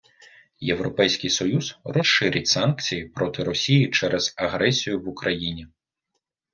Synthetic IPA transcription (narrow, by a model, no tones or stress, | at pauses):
jewɾɔpɛjsʲkʲɪjsɔjuzrɔsʃɪɾʲɪtʲsɑnkt͡sʲijipɾɔt̪ɪɾɔsʲijit͡ʃɛɾʔɛz̥ɐɦɾɛsʲijʊʋʊkɾɐjinʲi